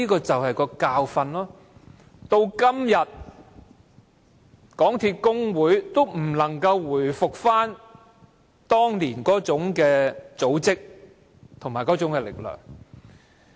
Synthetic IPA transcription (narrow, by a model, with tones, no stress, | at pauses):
iː˥kɔː˧t͡sɐ˨whɐ˨jkɔː˧kaː˧wfɐ˧nlɔː˥ | t̪o˧wkɐ˥mjɐ˨t̚ | kɔː˨˥ŋt̪ʰiː˧t̚kʊ˥ŋwuː˨˥jt̪o˥wm̩˨˩lɐ˨˩ŋkɐ˧wːuː˨˩jfʊ˨k̚faː˥n | t̪ɔː˥ŋliː˨˩nkɔː˨˥t͡sʊ˨˥ŋkɛː˧t͡so˨˥wt͡sɪ˥k̚ | t̪ʰʊ˨˩ŋmaː˨˩jkɔː˨˥t͡sʊ˨˥ŋkɛ˧lɪ̰˨k̚lœ̰ː˨˩ŋ